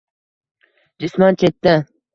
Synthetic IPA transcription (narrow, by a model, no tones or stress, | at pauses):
d͡ʒɪsmɒnt͡ʃʰet̪ːɪ